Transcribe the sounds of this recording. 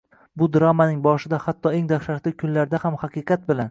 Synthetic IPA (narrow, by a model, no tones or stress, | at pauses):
bʊd̪ɪɾamanɪŋbɒʃɪd̪ahat̪ʰːɒeŋd̪aχʃaʃlɪkʲʰʊnlaɾd̪ahamhaqɨqʰɑt̪̚bɪlan